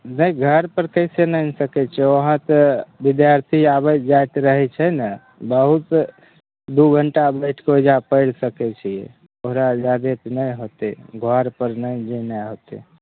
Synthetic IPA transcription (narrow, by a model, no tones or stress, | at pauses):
nəiɡʱəɾpəɾkəɪsenənsəkɛt͡ʃʰɛoɦãt̪əbid̪jaɾt̪ʰiabəd͡ʒajt̪ɾəɦɛt͡ʃʰɛnə | bəɦut̪ | d̪uɡʱəɳʈabəɪʈʰkeod͡ʒapəɪɽsəkɛt͡ʃʰiḛ | oɦɾad͡ʒad̪et̪nəjɦot̪eɡʱɔɾpəɾnəid͡ʒenəɦot̪ḛ